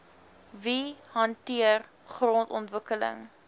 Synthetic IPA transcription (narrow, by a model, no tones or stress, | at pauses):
viɦɐntiər | χrɔntɔntvəkələ̰ŋ